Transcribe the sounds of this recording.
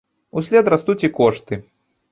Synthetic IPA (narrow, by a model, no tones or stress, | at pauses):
usʲlʲɛt̪ɾast̪ut͡sʲikɔʂt̪ɨ